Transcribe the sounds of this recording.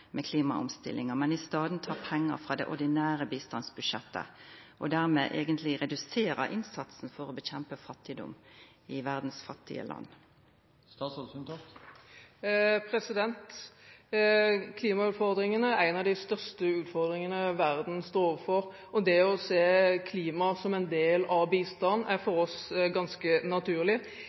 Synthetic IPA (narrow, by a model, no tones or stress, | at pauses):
mʔɛkʰliːmɑ̰ʊ̰mst̪ɪ̰lːɪŋəmɛnɪst̪ɑːd̪n̩t̪ʰɑːʁpʰɛŋːəʁfʁɑːd̪ɛʔɔd̪ɪnæːʁəbiːst̪ɑnsbʉʂɛt̪ːə̰ʔɔd̪æʁmḛːʔeːɡənt̪ʰlɪʁɛd̪ʉseːɾə̰ʔɪnsɑt̪sn̩fɔʁɔbəçɛmpəfɑt̪ːɪd̪ɔ̰m | ɪʋæʁd̪n̩sfɑt̪ːɪ̰ə̰lʔɑ̰nː | st̪ɑːsɔsʉnt̪ʰɑt̪ | pʰɾɛsɪd̪ɛnt̪ | kʰliːmɑʉːt̪fɔʁd̪ɾɪŋənəæɪnɑd̪ɪst̪œʁstəʉːt̪fɔʁd̪ʁɪŋənəʋæʁd̪n̩st̪oːoʋəfɔʁ | ɔd̪ɛɔseːkʰliːmɑsɔmɛnd̪eːlɑʋbiːst̪ɑnæʁfɔɾɔsɡɑnskənɑt̪ʰʉːʁlɪ